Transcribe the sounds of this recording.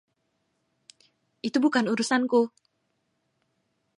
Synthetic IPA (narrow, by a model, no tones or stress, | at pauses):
ʔit̪ubukanuɾusanku